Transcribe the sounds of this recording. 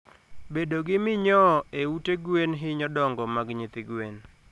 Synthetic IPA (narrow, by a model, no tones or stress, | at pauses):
bedoɡɪmɪɲɔeuteɡwenɦɪɲɔdɔŋɡɔmaɡɲɪt̪ɪɡwen